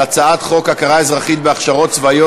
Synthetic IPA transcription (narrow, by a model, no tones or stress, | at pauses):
at͡saat̪χo̞kakaʁaezʁaχit̪̚beaχʃaʁo̞tt͡svajo